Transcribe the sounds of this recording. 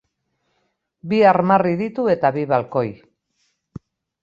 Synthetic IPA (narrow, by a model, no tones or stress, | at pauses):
biaɾmariðit̪ue̞t̪aβiβalko̞j